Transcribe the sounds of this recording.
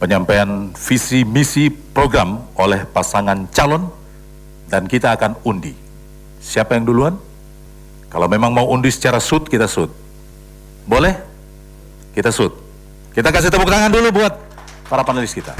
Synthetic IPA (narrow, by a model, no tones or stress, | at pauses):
pəɲampajanfisimisipɾoɡɾamolɛhpasaŋant͡ʃalɔn | dankit̪aːkanundi | siapajaŋduluan | kalawmemaŋmauundisə̥t͡ʃaɾasʊt̪̚kit̪asʊt̪̚ | bolɛh | kit̪asʊt̪̚ | kit̪akas̬iht̪əbuk̚t̪aŋandulubuat̪̚ | paɾapanəlɪskit̪a̰